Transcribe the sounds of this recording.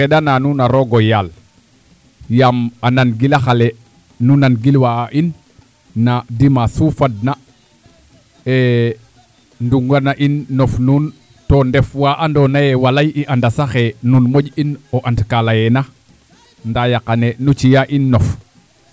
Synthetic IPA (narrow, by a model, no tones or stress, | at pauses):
kɛɗananunaɾoɡojal | jamananɡilaxale | nunanɡilwaaʔinː | adimasufad̚na | e | nduŋɡanaʔinːofnun | tondɛfwaʔandonajɛwalajiʔandasaxenunmoɟinoʔantkalajɛna | ndajakanenut͡ʃijaʔinːof